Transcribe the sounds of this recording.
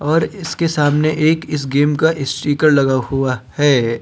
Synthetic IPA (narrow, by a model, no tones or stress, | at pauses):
ɔːɾɪskesaːmneʔeːkɪs̬ɡeːmkaʔɪsʈiːkəɾlɐɡahuahɛː